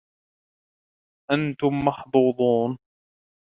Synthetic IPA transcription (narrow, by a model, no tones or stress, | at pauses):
ʔant̪ʊmːɑħd̪uːd̪ˤuːn